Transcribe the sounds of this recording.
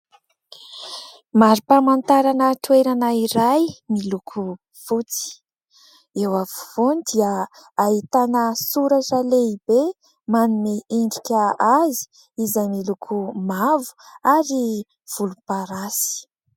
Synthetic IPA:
maɾipamant̪aɾanət̪weɾanaiɾajmilukʰu | v̥ut͡si̥ | ewavuvonid̪iəːɦit̪anəsuɾaʈ͡ʂəleibe | manumiiɳɖ͡ʐikʲəazi̥ | izajmilukʰumavu̥aɾi | v̥ulupaɾasi̥

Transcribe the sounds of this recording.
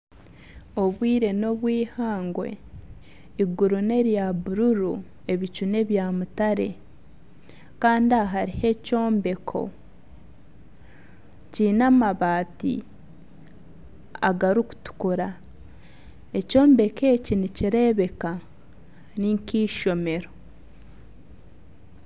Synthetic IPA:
o̞βwiːɾe̞no̞βwiːhaːŋɡwe̞̰ | iɡuɾune̞ɾjaβuɾuɾu | e̞βit͡ʃune̞βjamutaɾe̞ | kaːndiaɦaɾihe̞co̞ːmbe̞kʰo̞̰ | ciːnamaβaːtḭ | a̰ɡaɾuku̥tu̥kuɾa | e̞co̞ːmbe̞ke̞ːciniciɾe̞βe̞ka | niŋkiːʃo̞me̞ɾo̞

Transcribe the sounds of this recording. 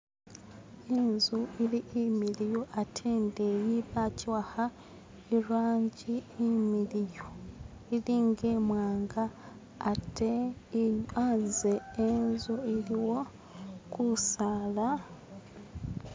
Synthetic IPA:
enzuiliʔimilijoʔatʰeːndejiβaciwaha | iɾwaːɲɟiimilijo | iliːŋɡe̞ːmwaːŋɡaː | te | anzeenzuiliwo̞ | kusala

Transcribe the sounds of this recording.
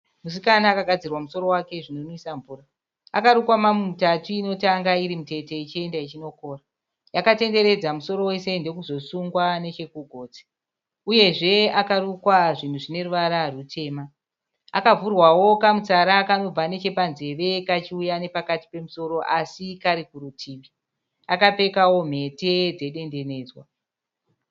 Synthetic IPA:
mus̬ikanaakaɡʱad͡zirwamuso̞ɾo̞wake̞ʐin̤onoisaɱvuːra | akaɾukwamamumutatuːno̞taŋɡaiɾimute̞te̞it͡ʃie̞ndait͡ʃino̞ko̞ːra | jakate̞nde̞ɾe̞d͡zamuso̞ɾo̞we̞se̞nde̞kuzo̞suŋɡwane̞t͡ʃe̞kuɡʱo̞ːt͡si̥ | uje̞ʐe̞akarukwaʐin̤uʐine̞ruʋaɾarutʰe̞ːma | akavurwawo̞kamut͡saɾakano̞b͡vane̞t͡ʃe̞panze̞ʋe̞kat͡ʃiujane̞pakati̥pe̞muso̞ɾo̞ʔasikaɾikuɾutʰiːʋi | akape̞kawo̞m̤e̞te̞d͡ze̞ɗe̞nde̞ne̞ːd͡zwa

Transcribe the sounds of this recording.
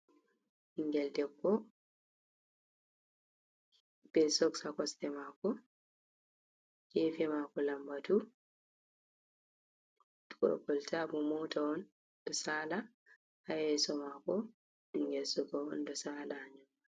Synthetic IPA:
hiŋɡɛldɛkːɔ | b̥ɛsɔksakɔstɛmaːkɔ | kɛfɛmakɔlambatu | dɔ̰ɾkɔltabɔmɔtʰaɔn | dɔsaːla | hajɛsɔmakɔ | iŋɡɛlsɔɡaɔ̰ndɔsaːlaɲɔmːa

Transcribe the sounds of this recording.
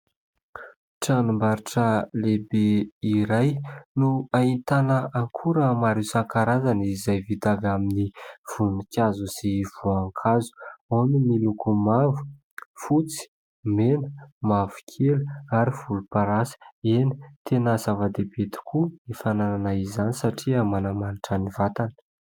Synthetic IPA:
ʈ͡ʂanumbaɾiʈ͡ʂəlebeiɾajnuaint̪anəʔaŋkʰuɾəmaɾewsaŋkaɾazanizajvit̪aɡaminiv̥unikʲazusiv̥uaŋkʰazu̥onimilukumavu̥ | fut͡si̥ | menəmavu̥kʰeluaɾiv̥ulupaɾasi̥eni̥t̪ʰenəzavad̪ebet̪i̥kʰuifanananaizanisaʈ͡ʂiamanamaniʈ͡ʂanivat̪anə̥

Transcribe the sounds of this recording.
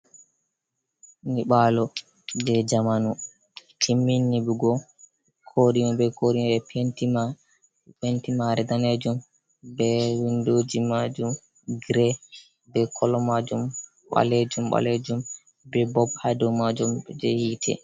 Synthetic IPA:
niɓalɔ | d͡ʒɛd͡ʒamanu | tʰimːinːibuɡɔ | kʰoɗimɔbɛkoɾimɓɛptia | pentimaɾɛdaned͡ʒum | bɛwindoːd͡ʒimad͡ʒum | ɡɾɛ | bɛkʰɔlɔmad͡ʒum | ɓa̰led͡ʒumɓa̰led͡ʒum | bɛbɔbhadɔmad͡ʒumd͡ʒɛ̰hiːtʰɛ̰

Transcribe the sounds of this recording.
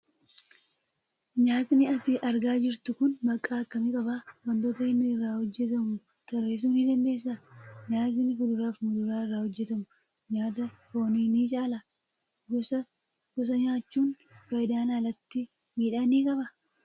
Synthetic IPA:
ɲaːt̪nɪʔɐt̪ɪʔɐɾɡaːd͡ʒɪɾt̪ʊkʊnmɐkʼːaːkːɐmɪkʼɐbaːwɐnd̪ɔt̪ɐɪnːɐɪrːaːhɔd͡ʒːɛt̪ɐmʊ | t̪ɐɾeːs̬uːnɪd̪ɐnd̪e̞ːsːɐɲaːt̪ɪnɪkʊd̪ʊɾaːfmʊd̪ʊɾaːɪrːaːhɔd͡ʒːɛt̪ɐmʊ | ɲaːt̪ɐkoːniːniːt͡ʃʼaːlɐ | ɡɔsɐ | ɡ̥ɔs̬ɐɲaːt͡ʃːuːn | fɐjd̪aːnaːlɐt̪ːɪ | miːᶑaːniːkʼɐbɐ

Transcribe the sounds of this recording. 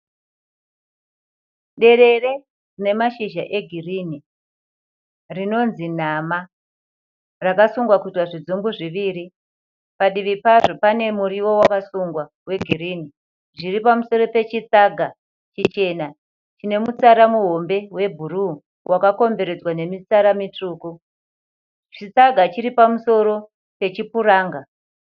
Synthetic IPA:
ɗe̞ɾe̞re̞ | rine̞maʃiʒa̰ʔe̞ɡʱirini | rino̞nzin̤ama | rakasuŋɡwakutwaʐid͡zumbuʐiʋiːɾi | paɗiʋipaʐo̞pane̞muɾiwo̞wakasuŋɡwa | we̞ɡʱiɾiːni | ʐiripamuso̞ɾo̞pe̞t͡ʃit͡saɡʱa | t͡ʃit͡ʃe̞na | t͡ʃine̞mut͡saɾamuɦo̞mbe̞we̞bʱuɾu | wʔakako̞mbe̞ɾe̞d͡zwane̞mit͡saɾamitruːku | t͡ʃit͡saɡʱat͡ʃiɾipamuso̞ɾo̞ | pe̞t͡ʃipuɾaːŋɡa

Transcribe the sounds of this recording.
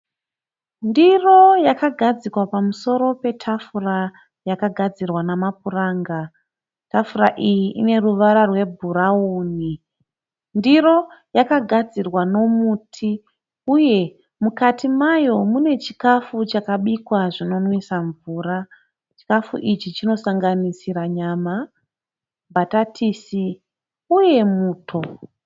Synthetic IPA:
ndiro̞jakaɡʱad͡zikwapamuso̞ɾo̞pe̞tʰafura | jakaɡʱad͡zirwanamap̚uraːŋɡa | tafuraʔijiʔine̞ruʋaɾarwe̞bʱuɾauːni | ndiɾo̞jakaɡʱad͡zirwano̞muːtʰi | uje̞ | mukatimajo̞mune̞t͡ʃikafut͡ʃakaɓikwaʐino̞nwisaɱvuːra | t͡ʃi̥kafṵʔit͡ʃit͡ʃino̞saŋɡanisiɾaɲama | bʱatatʰisi | uje̞muːtʰo̞

